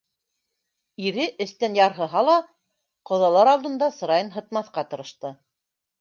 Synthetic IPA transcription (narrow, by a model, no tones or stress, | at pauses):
iɾɘʔɘ̆θt̪ænjɑɾɦɤ̆ɦɑlˠɑ | qŏðɑlˠɑɾɑlˠd̪ɤ̆nd̪ɑsɤ̆ɾɑjɤnɦɤ̆t̪mɑθqɑt̪ɤ̆ɾɤ̆ʃt̪ɤ